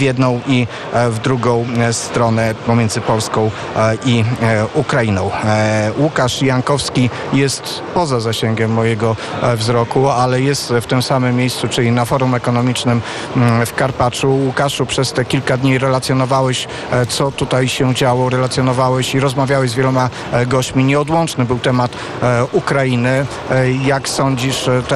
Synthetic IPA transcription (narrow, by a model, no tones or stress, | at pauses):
vjɛd̪nɔ̃w̃ʔi | vd̪ɾuɡɔ̃w̃st̪ɾɔnɛpɔmʲjɛndzɘpɔlskɔ̃w̃ | ʔiukɾainɔ̃w̃wukaʂjaŋkɔfskʲi | jɛst̪ | pɔzazaɕɛŋɡʲɛmːɔjɛɡɔvzɾɔkualɛjɛst̪ft̪ɘmsamɘmːʲjejst̪sut͡ʂɘlʲinafɔɾumɛkɔnɔmʲit͡ʂnɘm | fkaɾpat͡ʂuwukaʂupʂɛst̪ɛkʲilkad̪ɲiɾɛlat̪sʲjɔnɔvawɛɕ | t̪sɔt̪ut̪ajɕɛd͡ʑawɔɾɛlat̪sʲjɔnɔvawɛɕiɾɔzmavʲjawɛzvjɛlɔma | ɡɔɕt͡ɕmʲiɲɛɔd̪wɔnt͡ʂnɘbɘwt̪ɛmat̪ | ukɾainɘ | jaksɔɲd͡ʑiʂt̪